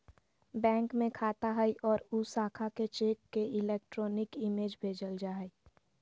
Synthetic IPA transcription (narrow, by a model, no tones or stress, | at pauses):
bɛ̃ːŋkmẽkʰaːt̪aɦəiʔɔːɾusaːkʰaket͡ʃeːk̚keɪleːk̚ʈɾɔːnɪkɪmeːd͡ʒbʱeːd͡ʒəld͡ʒaɦəi